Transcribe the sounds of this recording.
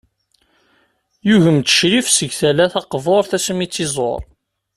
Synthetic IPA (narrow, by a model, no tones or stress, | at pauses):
juʝəmt̪ə̥ʃɾifsəʝθælæθɑqvoɾˤθæsmit͡sːizˤo̰ɾˤ